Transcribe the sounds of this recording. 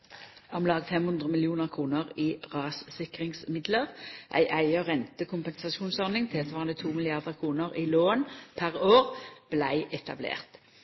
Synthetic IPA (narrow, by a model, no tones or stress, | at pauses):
ɔmlɑːɡt̪fɛmhʉnd̪ʁəmɪljuːnəʁkʰʁuːnəʁiːʁɑːssɪkʁɪŋsmɪd̪ləʁʔæ̰ɪʔæɪɔʁɛnt̪əkʰʊmpənsɑʃuːnsɔʁnɪŋt̪ʰɪɛt̪ʋɑːʁənət̪ʰuːmɪlɪɑʁd̪əʁkʰʁuːnəʁiːloːnpʰæʁoːʁb̥læɪʔɛt̪ɑ̰blḛːʁt̪